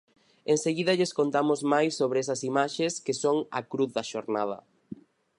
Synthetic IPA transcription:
eŋseɣiðɐʎeskont̪amʊzmajsːoβɾeɛsɐsimaʃeskɪsoŋɐ̰kɾuθðɐʃoɾnað̞ɐ̰

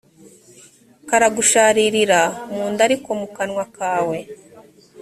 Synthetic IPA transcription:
kaɾaɡuʃaːɾiɾiɾamuːndaɾikomukanŋwakaːwe

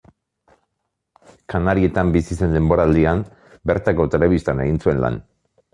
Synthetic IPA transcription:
kanaɾie̞t̪ambisise̞nd̪e̞mbo̞ɾald̪iam | be̞ɾt̪ako̞t̪e̞le̞βist̪ane̞ɣint͡sue̞nla̰n

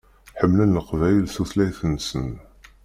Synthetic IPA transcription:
ħəmːlænːəqvæjəlsuθlæjθənːsən

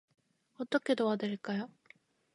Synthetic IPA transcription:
ot̪ːoked̪oβad̪eɾekaja

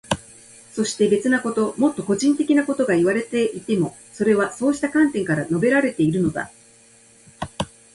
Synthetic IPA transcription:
so̞ɕi̥t̪e̞be̞t͡sɨnako̞t̪o̞mo̞t̪ːo̞ko̞ʑĩnt̪e̞kʲinako̞t̪o̞ɡaiβ̞aɾe̞t̪e̞ʔit̪e̞mo̞ | so̞ɾe̞β̞aso̞ːɕi̥t̪akãnt̪ẽ̞ŋkaɾano̞be̞ɾaɾe̞t̪e̞iɾɯ̟no̞d̪a̰

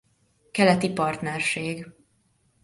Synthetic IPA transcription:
kɛlɛt̪ipɒrt̪nɛrʃeːɡ

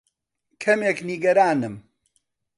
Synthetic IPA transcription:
kʰɐmeːkniɡɐɾaːnɨm

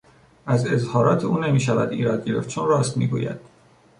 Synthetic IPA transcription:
ʔæze̞zhɒːɾɒːt̪ʰeuːne̞miːʃævæ̰d̪iːɾɒd̪̚ɟe̞ɾe̞̰ft̪̚t͡ʃʰoːnrɒːst̪mḭːɡṵːjæ̰d̪̥

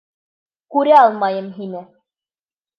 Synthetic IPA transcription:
kʉɾæɑlˠmɑjɤmɦinɘ

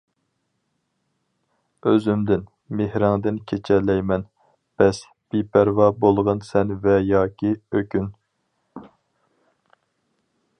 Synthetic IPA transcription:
øzymd̪ɪn | mehɾɪŋd̪ɪnkʲʰet͡ʃʰɛlːɛjmɛn | b̥ɛs | b̥ipʰæɾvɑbolˠʁɑnsɛnvɛjɑːkʲʰiøkʲyn

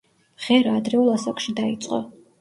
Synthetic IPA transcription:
ʁ̥ɛɾaːd̪ɾɛulˠasakʼʃid̪ait̪sʼqʼɔ̰

